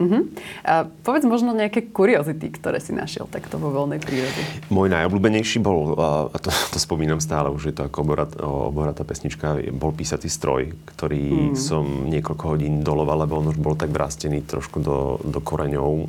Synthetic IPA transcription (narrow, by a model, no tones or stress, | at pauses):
m̩ɦm̩əpɔʋɛd͡zmɔʒnɔɲɛakɛːkuɾiɔzit̪ikt̪ɔɾɛ̰ːsinʔa̰ʃɪɛ̰lt̪akt̪ɔʋɔʋɔlnɛjpɾiːɾɔdɛmɔːjnajɔbluːbɛɲɛjʃiːbɔlat̪ɔt̪ɔspɔmiːnamst̪aːlɛuʒjɛt̪ɔakɔɔbɔɾa̰t̪ɔ̰bɔɦɾat̪apɛsɲit͡ʃkabɔlpiːsat͡siːst̪ɾɔ̰jkt̪ɔɾiːsɔmɲɪɛkɔʎkɔɦɔɟiːnd̪ɔlɔʋalːɛbɔɔnuʒbɔlt̪aɡʋɾʔa̰ːscɛniːt̪ɾɔ̰ʃkud̪ɔ̰d̪ɔkɔɾɛɲɔʊ